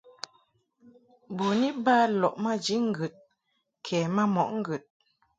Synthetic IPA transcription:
bu˨ni˦ba˦lɔ˨ʔma˦d͡ʒi˦ŋ̩˦ɡʉ˨t̚ | kʰɛː˨ma˦mɔ˨ʔŋ̩˦ɡə˨t̚

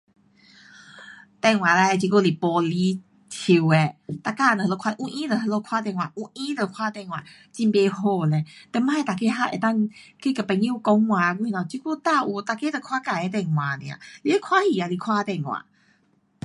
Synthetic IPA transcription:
t̪ɛ˧˨ŋwã˨la˧˦e˧t͡ɕi˧ku˦˧˨li˨pɔ˧li˧˦ | tʰi˧we˧˨t̪a˧˨ka˧˨nə˨lo˧kʰa˧ʔũ˧˦ʔĩ˦nə˨hə˧lo˧˦kʰwa˧˦t̪̬ɛ̃˧˨ŋwã˨ʔũ˧˦ʔĩ˦lə˧˩˨kʰwa˦t̪ɛ˧˨ŋwã̰˨ | t͡ɕi˧mpe˧ɦo˧˨lɛ˨t̪ɛ˧˨mã˦e˧˨t̪a˨ke˧˦ɦa˧˨ʔḛ˨˩t̪a˥˨ŋke˦˧˨kə˨˩pɛ˧˨ŋĩ˦u˧˨kɔ˧˦ŋwã˨˧ɡu˧˦i˧nã˨˩˨t͡ɕi˧˦ku˥˧˨t̪a˥˧˨ʔu˨˧t̪a˧ke˧˦t̪ə˧˨kʰwa˦ka˧˨e˧˦t̪ɛ˧ŋw̃ã˨nḭ̃˨ã̰˨li˧e˦kʰwa˦hi˧˨a˨li˧˨kʰwa˦˧t̪ɛ˧˨ŋwã̰˨

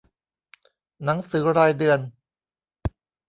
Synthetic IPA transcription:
na˩˦ŋsɯː˩˦ɾaː˧jdɯ˧ən

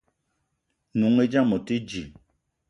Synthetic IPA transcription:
nu˨˦ŋe˦d͡ʒa˦mo˨te˦d͡ʒi˨

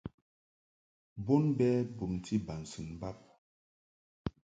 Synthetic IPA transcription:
bo˦nbɛ˦bu˨mtʰi˦ba˨n̩˨sɨ˨ŋba˦p̚

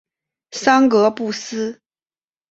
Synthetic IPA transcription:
sɑ˥ŋkɤ˧˥pu˥˩s̩˥

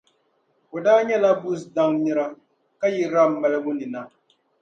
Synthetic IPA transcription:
ʊ˨daː˦ɲɛ˦la˦bu˦sda˦ŋni˦ɾa˦ | ka˦ji˦ɾa˦m̩˦mɛ˨lɨ˦bʊ˦ni˨na˦

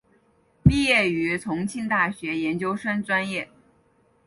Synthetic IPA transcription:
pi˥˧jɛ˥˩y˧˥t͡sʰʊ˧˥ŋt͡ɕʰi˥˧nt̪a˥˩ɕɥɛ˧˥jɛ˧˥nt͡ɕjo˥ʊʂə˥nt͡swa˥njɛ˥˩

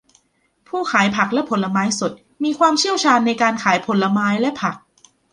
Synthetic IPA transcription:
pʰuː˥˩kʰaː˩˦jpʰa˨˩k̚lɛ˦˥pʰo˩˦nla˧maː˦˥jso˨˩t̪̚ | miː˧kʰwaː˧mt͡ɕʰi˥˩əwt͡ɕʰaː˧nːa˧jkaː˧nkʰaː˩˦jpʰo˨˩˦nla˧maː˦˥jlɛ˦˥ʔpʰa˨˩k̚

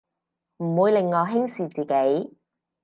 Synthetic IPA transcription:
m̩˨˩wuː˨˧jlɪ˨ŋːɔː˨˧ɦɪ˥ŋsiː˨t͡siː˨ke˨˥j

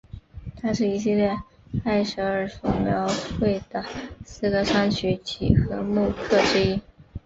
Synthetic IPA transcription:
t̪ʰa˥ʂɻ̩˥˩i˧˥ɕ̬i˥˧ljɛ˥˧ | a˥˩ɪʂɤ˧˥ə˞˨˩so˨˩ljɑ˧˥ʊxwe˥˩ɪd̪̥ə˩sɹ̩˥˧ɡə˧ʂʰa˥ŋt͡ɕʰy˧˥t͡ɕʰḭ˨˩xɤ˧˥mu˥˧kʰɤ˥˩ʈ͡ʂɻ̩˥i˥

